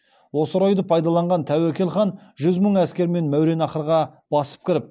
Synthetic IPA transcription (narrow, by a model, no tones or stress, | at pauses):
wo̞səɾo̞jd̪əpʰɑjd̪ɑlˠɑɴʁɑnt̪ʰæwækʲe̞lχɑn | ʒʏzməɴæskʲe̞ɾme̞nmæwɾe̞nɑqəɾʁɑb̥ɑsə̥p̚kʲʰɪɾɪp̚